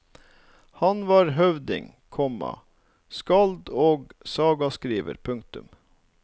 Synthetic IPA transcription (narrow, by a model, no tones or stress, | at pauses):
hɑnʋɑːɾɦœʋd̪ɪ̰ŋ | kʰɔmɑ̰ | skɑld̪oːɡsɑːɡɑskɾiːʋə̰ɾpʰʉŋk̚t̪ʉm